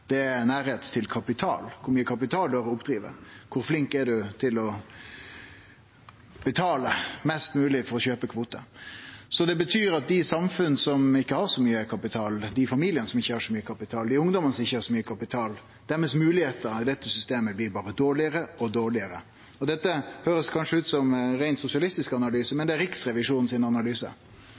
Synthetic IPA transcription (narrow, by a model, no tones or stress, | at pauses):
d̪̥ɛæɾnæːɾheːt̪ʰːɪlkʰɑpɪt̪ʰɑ̰ːlkʰʊɾmyːəkʰɑpɪt̪ʰɑːld̪hæːɾɔʊpd̪ɾiːʋə̰kʰʊɾflɪŋkɛɖʉt̪ʰɪlɔ | b̥ɛt̪ʰɑːləmɛst̪mʉːlɪfɔɾɔɕøːpəkʰʋuːt̪ə̰sɔd̪ɛbət̪ʰyːɾɑt̪̚d̪ɪsɑmfʉnsɔmɪkːəhɑɾsɔmyːəkʰɑpɪt̪ʰɑːld̪ɪfɑmiːlɪənəsɔmɪçːəhɑːʂɔmyːəkʰɑpɪt̪ʰɑːld̪ɪʊŋd̪ɔmənəsɔmɪçːəhɑːʂɔmyːəkʰɑpɪt̪ʰɑːl | d̪̥æɾmɛsmʉːlɪheːt̪əɾɪd̪ɛt̪ːəsʏst̪eːməblɪɾbɑːʁəd̪oːɾɭɪəɾəɔd̪oːɭɪəɾə | ɔd̪ɛt̪ːəhøːɾəskʰɑnʂəʉːt̪sɔmɾæɪnsʊsɪɑlɪst̪ɪskɑnɑlyːsəmɛnd̪ɛæɾɪksɾɛʋɪʂuːnn̩siːnəɑnɑlyːsə̰